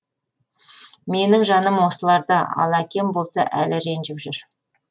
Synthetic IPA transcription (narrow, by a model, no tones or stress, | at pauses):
me̞nɪŋʒɑnəmwo̞səlˠɑɾd̪ɑɑ̰lˠækʲe̞mbo̞lˠsɑ̰ʔælɪɾe̞nʒɪpʒʏɾ